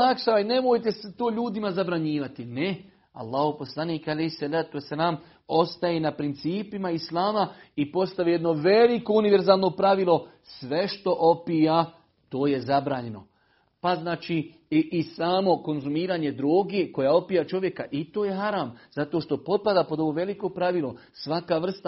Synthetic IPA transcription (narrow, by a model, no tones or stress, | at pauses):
akʃaaine̞mo̞jt̪̬eset̪o̞ːʎuːd̪imazabɾaɲiːʋat̪ine | a̰lˠːaːhopo̞slˠaniːkalehsalaːt̪uesːalaːm | o̞st̪ajenapɾint̪siːpimaislaːmaipo̞st̪aʋijed̪no̞ʋeliko̞uniʋe̞ɾzaːlˠno̞pɾaʋilˠo̞ | sʋe̞ʃt̪o̞ʔopija | t̪oːje̞zabɾaːɲe̞no̞ | paznaːt͡ʃi | ʔisaːmo̞ko̞nzumiːɾaːɲe̞d̪ɾoːɡeko̞jao̞pijat͡ʃo̞ʋje̞kaʔit̪oːje̞ɦaɾaːmz̥at̪o̞ːʃt̪o̞po̞t̪̚pad̪apo̞d̪o̞ʋo̞ːʋe̞liko̞pɾaʋilˠo̞ | sʋakaʋr̩st̪a